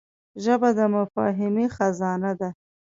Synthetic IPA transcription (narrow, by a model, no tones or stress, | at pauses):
ʒəbad̪əmʊfɑ̰ɦɪmexazɑnad̪a